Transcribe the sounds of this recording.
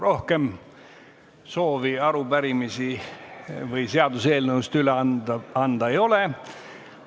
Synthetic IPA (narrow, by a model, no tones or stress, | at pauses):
ro̞hke̞m | so̞ːviɑɾubæɾimisi | vɯjse̞ɑd̪use̞ːlnəust̪yleɑnd̪̥ɑejo̞le